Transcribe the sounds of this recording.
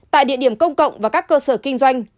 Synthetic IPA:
t̪a̰ː˧˨jɗḭ˧˨əɗi˧˩əmkə˧wŋ͡mkə̰˧˨wŋ͡mvaː˨˩kaː˦˥kːəː˧səː˧˩kï˧ŋ̟zwa˧jŋ̟

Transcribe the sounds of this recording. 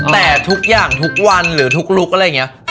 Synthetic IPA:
t̪ɛː˨˩t̪ʰu˦˥k̚jaː˨˩ŋt̪ʰu˦˥k̚wa˧nɾɯː˩˦t̪ʰu˦˥k̚lu˦˥k̚ʔa˧ɾja˨˩ŋi˦ɐ

